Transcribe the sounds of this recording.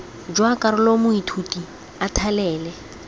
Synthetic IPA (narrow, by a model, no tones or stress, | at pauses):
d͡ʒwakʼaɾʊlomʊitʰuti | atʰalɛːlɛ